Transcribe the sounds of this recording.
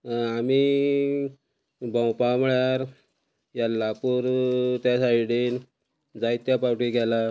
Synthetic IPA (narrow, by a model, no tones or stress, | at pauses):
ami | bə̃wpaməɭjaɾ | jalːapuːɾt̪jasajiɽiːn | d͡zait̪japawʈiɡʱɛla